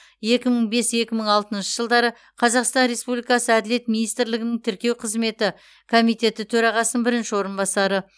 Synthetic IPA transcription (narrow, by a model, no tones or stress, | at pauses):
je̞kʲɪməɴbe̞se̞kʲɪməɴɑlˠt̪ənʃəʒəlˠd̪ɑɾə | qʰɑzɑqst̪ɑnɾe̞spublijkɑsəæd̪ɪle̞t̪minijst̪ɪɾlɪɡʲɪnɪŋt̪ʰɪɾkʲe̞wqʰəzme̞t̪ɪ | kʰomijt̪e̞t̪ɪt̪ʰɵɾɑʁɑsənənbɪɾɪnʃɪwo̞ɾənbɑsɑɾə